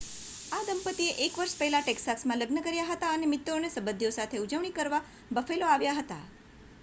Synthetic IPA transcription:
ad̪əmpət̪ieʔekʋəɾʃpəɦɛlaʈeksasmãləɡnəkəɾjaɦət̪aənemɪt̪ːonesəbəd̪ʱːjosat̪ʰeud͡ʒəʋɳ̃ikəɾʋa | bəfeloaʋjaɦət̪a̰

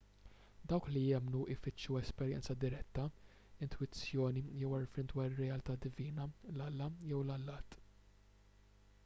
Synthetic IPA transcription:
d̪ɐwklijɛmnuʔɪfɪt͡ʃːuɛspɛɾjɛ̰nt͡sɐd̪ɪɾɛt̪ːɐ | ɪnt̪wɪt͡sːjɔːnijɛwɐɾfɪnd̪wɐːɾɪrːɛjɐlt̪ɐd̪ɪviːnɐlɐlːɐjɛwlɐlːɐːt̪

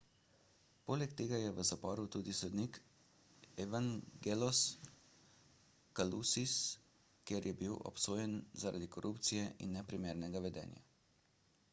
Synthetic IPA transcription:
poːlɛkt̪eːɡajɛʋəzapɔːɾut̪uːd̪isɔd̪nik | ɛʋaŋɡelɔs | kalusis | kjeɾjɛbiwʔɔ̰psoːjɛnzaɾa̰d̪ikɔɾʔupt̪sijɛʔḭnːɛpɾimeːɾnɛɡaʋɛd̪ɛ̰ːnja̰

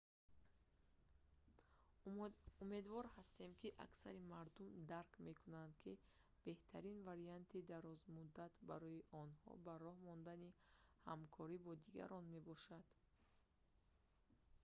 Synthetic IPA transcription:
ume̞d̪vɔɾhast̪e̞mkʰiʔa̰ksaɾimaɾd̪umd̪aɾkme̞kʰunand̪kʰi | b̥e̞ht̪ʰaɾinvaɾiant̪ʰid̪aɾɔzmud̪ːat̪baɾɔjiʔɔnhɔ̰baɾɔhmɔnd̪aniha̰mkʰɔɾibɔd̪iɡa̰ɾɔnme̞bɔʃad̪̥

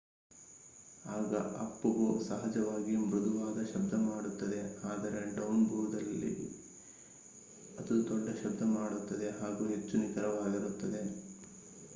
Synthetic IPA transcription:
aːɡɐ̰ʔɐpːuɡosɐɦɐd͡ʒɐʋaːɡimɾud̪uʋaːd̪ɐʃɐbd̪ʱɐmaːɽut̪ːɐd̪e̞aːd̪ɐɾe̞ɖɐwunbʱuːɾd̪ɐlːḭ | ɐt̪ud̪ɔɖːɐʃɐb̚d̪ʱɐmaːɽut̪ːɐd̪e̞ɦaːɡuːɦe̞t͡ʃːunikɐɾɐʋaːɡiɾut̪ːɐd̪e̞

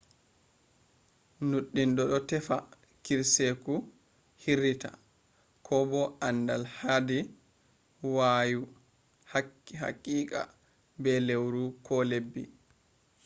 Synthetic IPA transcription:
nuɗːindɔɗɔtɛfa | kiɾseku | hiɾita̰ | kʰɔbɔʔandalhadi | waːju | haɦa̰kʼːiːka̰ | bɛlewɾukʰɔlebːḭ

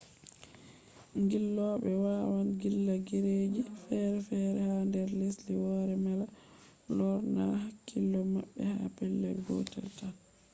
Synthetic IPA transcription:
ŋɡilːɔɓɛwaːwanɡilːaɡiɾeːd͡ʒifɛɾɛfɛɾɛhandɛɾlesliwɔɾɛmala | lɔɾnahakːilːɔmaɓːɛha̰pɛlːɛ̰ɡɔ̰tɛ̰lta

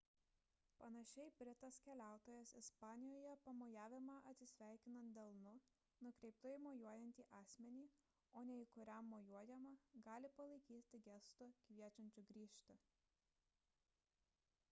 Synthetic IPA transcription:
pɐnɐʃʲɛɪbʲɾʲɪt̪ɐskʲɛlʲæˑʊt̪oːjɛsɪspɑːnʲɪjoːjɛpɐmojæːʋʲɪmɑʔɐt̪ʲsʲɪsʲʋʲæˑɪkʲɪnɐnt̪̚d̪ʲɛlˠnʊ | nʊkɾʲɛɪpt̪oɪmoːjuɔjɛnʲt̪ʲiːʔɑːsʲmʲɛnʲiː | oːnʲɛɪkʊɾʲæmːoːjuɔjɛmɐɡɑːlʲɪpɐlˠɐɪkʲiːt̪ʲɪɡʲɛst̪ʊkʲʋʲiɛt͡ʃʲɛnʲt͡ʃʲʊɡɾʲiːʃʲt̪ʲʊ

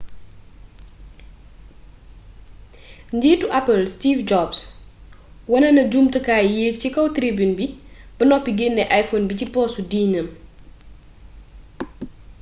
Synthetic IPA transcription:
ɲɟiːtuʔɐpɐlstifd͡ʒɔbs | wɐnɐnɐɟumtɐkaːjjeːk̚t͡ʃikɐwtɾibunbib̥ɐnɔpːiɡenːɛʔajfonbicipɔːsudiːɲɐm

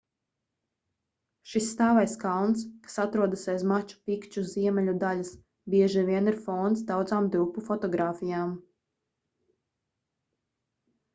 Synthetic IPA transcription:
ʃisːt̪aːvajskalˠnskḁsat̪ɾuɔd̪asajzmat͡ʃu̥pikt͡ʃuziɛmʲɛlʲud̪alʲas | bʲiɛʒivʲiɛniɾfɔnt̪sd̪awd̪zaːmd̪ɾupːufɔt̪ɔɡɾaːfijaːm

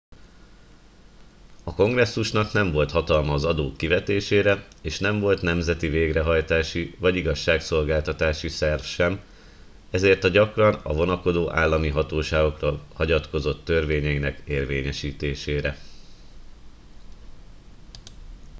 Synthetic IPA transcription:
ɒko̞ŋɡrɛsːuʃnɒkn̪ɛɱvo̞lt̪hɒt̪ɒlmɒːzɒd̪oːkːivɛt̪eːʃeːɾɛ | eːʃnɛɱvo̞lt̪nɛmzɛt̪iveːɡrɛɦɒjt̪aːʃivɒɟiɡɒʃːaːkso̞lɡaːlt̪ɒt̪aːʃisɛrfʃɛm | ɛzeːrt̪ɒɟɒkrɒnɒ̰vo̞nɒko̞d̪oːʔaːlːɒmiɦɒt̪oːʃaːɡo̞krolhɒɟɒt̪ko̞zo̞t̪ːørveːɲɛinɛkeːrveːɲɛʃiːt̪eːʃeːɾɛ

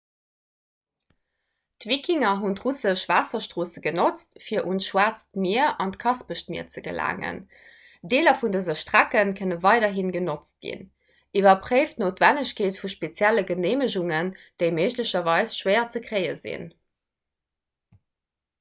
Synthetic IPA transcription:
tvikʰiŋɐɦuntʁusəʃv̥aːsɐʃtʁ̥oːsəɡənot͡stfiːɐʔunʃwaːt͡stmiɐʔɑntkʰɑspəʃtmḭːɐt͡səɡə̰la̰ːŋə̰n | deːlɐfundəzəʃtʁ̥ækənkʰənəvɑɪdɐɦinɡənot͡st̚ɡ̥ḭn | ʔivɐpχeɪftnoːtvænəɕkʰeːtfuʃpet͡sjæləɡəneːməʑuŋənd̥əɪməɪʒləɕɐvɑɪsʃwɜɪɐt͡səkʁɜɪəzḭn

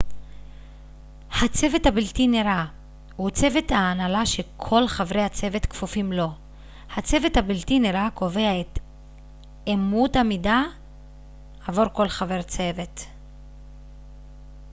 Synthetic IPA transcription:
hat͡se̞vethabiltineʁa | hut͡se̞ve̞t̪haːnalaʃekʰo̞lχavʁejhat͡se̞ve̞t̪kfufimlo̞ | hat͡se̞vethabiltineʁako̞ve̞aet̪ | emuthamida | avoʁko̞lχave̞ʁt͡se̞ve̞t

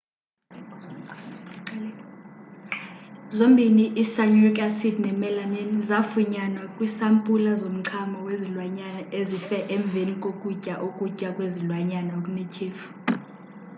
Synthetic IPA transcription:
zombʱiniʔisaɲurikʼasidnɛmɛlaminzafuɲanwakʼwisampʼulazom̩ǀʰamɔwezilwaɲanaezifɛʔeɱb̪vʱenikʼokʼucʼaʔokʼucʼakʼwezilwaɲanakʼunicʰiːfu̥

